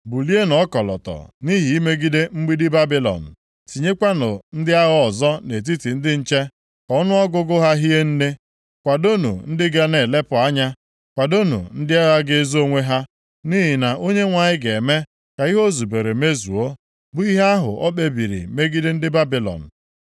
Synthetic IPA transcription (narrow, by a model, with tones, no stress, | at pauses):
bu˨li˦e˦nɔ˦kɔ˨lɔ̰˨tɔ̰˨ni˦ɦi˨i˦me˦ɡi˦de˦ŋ͡m̩˦ɡ͡bi˦dɪ˦ba˦bi˦lɔ̰˨n̩˨ | ti˨ɲe˦kʷa˦nʊ̰˨n̩˦dɪ˦a˦ɣɔ˦ɔ˨zɔ˦ne˨t̬i˦ti˨n̩˦dɪ˦n̩˦t͡ʃe˦ | kɔ˨ɔ˦nʊ˦ɔ˦ɡʊ˦ɡʊ˦ɦa˦ɦi˦e˦n̩˦ne˦ | kʷa˨do˦nṵ˨n̩˦dɪ˦ɡa˦ne˨le˦pʊ˨a˦ɲa˦ | kʷa˨do˦nṵ˨n̩˦dɪ˦a˦ɣa˦ɡɪ˦zo˦ŋʷe˦ɦa˦ | ni˦ɦi˨na˨o˦ɲe˦ŋʷa˨ɲɪ˦ɡe˨me˦ | ka˨i˦ɦo˦zu˨be˨ɾe˨me˦zu˨o˦ | bʊ˦i˦ɦa˦ɦʊ̰˨ɔ˦ɓe˦bi˨ɾḭ˨me˦ɡi˦de˦n̩˦dɪ˦ba˦bi˨lɔ̰˨n̩˨